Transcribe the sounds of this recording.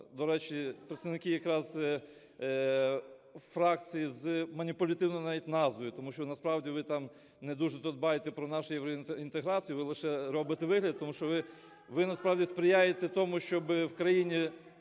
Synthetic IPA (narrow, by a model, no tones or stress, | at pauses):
d̪ɔɾɛt͡ʃipɾet̪st̪ɐʋnɪkɪjɐkɾɑz | fɾɑkt͡sʲijizmɐnʲipʊlʲɐt̪ɪwnɔjʊnɑʋʲitʲnɑzʋɔjʊt̪ɔmuʃt͡ʃɔnɐspɾɑʋdʲiʋɪt̪ɑm | ned̪uʒɛt̪ɔd̪bɑjet̪ɛpɾɔnɑʃʊjɛʋwɾɔint̪eɦɾɑt͡sʲijʊʋɪlˠɪʃɛɾɔbɪt̪eʋɪɦlʲɐd̪̚t̪ɔmuʃt͡ʃɔʋɪ | ʋɪnɐspɾɑwdʲispɾɪjajet̪ɛt̪ɔmʊʃt͡ʃɔbɪwkɾɐjinʲi